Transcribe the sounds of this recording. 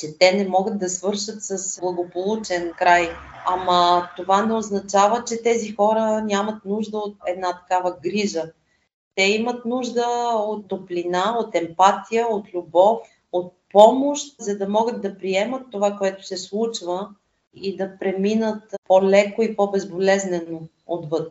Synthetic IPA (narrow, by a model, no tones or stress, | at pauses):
t͡ʃɛt̪ɛnɛmɔɡət̪̚d̪ɐsvɤɾʃət̪səsblˠɐɡopolˠut͡ʃɛnkɾajamət̪ovanɛoznɐt͡ʃavət͡ʃɛt̪ɛzixɔɾənʲjamət̪nuʒd̪əot̪̚ɛd̪nat̪ɐ̥kavəɡɾiʒə | t̪ɛimət̪nuʒd̪əot̪ːoplʲinaot̪ɛmpat̪ijəot̪lʲubɔf | ot̪̚pɔmoʃt̪zɐd̪ɐmɔɡət̪̚d̪ɐpɾiɛmət̪ːovakoɛt̪ʊ̥sɛslˠut͡ʃvə | id̪ɐpɾɛminət̪polɛkoipɔbɛzbolɛznɛno | ot̪vɤt̪